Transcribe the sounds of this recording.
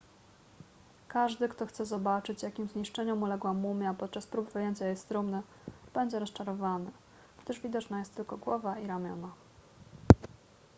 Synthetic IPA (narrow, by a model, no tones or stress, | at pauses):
kaʐd̪ɘkt̪ɔxt̪sɛzɔbat͡ʂɘt͡ɕjakʲimzɲiʂt͡ʂɛɲɔmulɛɡwamumʲjapɔt̪̚t͡ʂaspɾubvɘjeɲt͡ɕajɛst̪ɾumnɘ | b̥ɛɲd͡ʑɛɾɔst͡ʂaɾɔvanɘ | ɡd̪ɘʐvʲid̪ɔt͡ʂnajɛst̪ːɘlkɔɡwɔvaiɾamʲjɔ̰na